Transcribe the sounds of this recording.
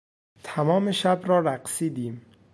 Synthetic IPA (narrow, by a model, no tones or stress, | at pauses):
t̪ʰæmɒːme̞ʃæbɾɒːɾæɢsiːd̪iːm